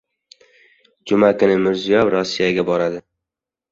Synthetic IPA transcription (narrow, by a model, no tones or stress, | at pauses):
d͡ʒʊmakʰʊnɪmɪɾzijɒvɾɒsːijaɡʲabɒɾad̪ɪ